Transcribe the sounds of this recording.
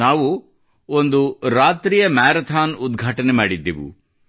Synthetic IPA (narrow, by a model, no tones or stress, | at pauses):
aːʋu | ond̪uɾaːt̪ɾiːjɐmaːɾɐt̪ʰaːnud̪ɡʱaːʈɐnemaːɽid̪ːiʋṵ